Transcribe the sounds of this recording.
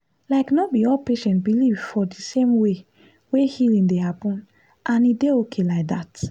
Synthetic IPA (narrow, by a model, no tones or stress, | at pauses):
laɪknɔbiɔlpeʃɛ̃ntbiliv̥fɔdisẽmwe | wehilĩŋdehapɔ̃n | ʔãnideokʰelaɪk̚dat